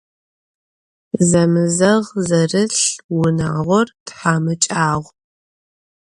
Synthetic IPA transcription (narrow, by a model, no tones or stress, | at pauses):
zɐmɨzɐʁzɐrɨɬwʊna̰ːʁʷɔrtħaːmɨt͡ʃʼaːʁʷ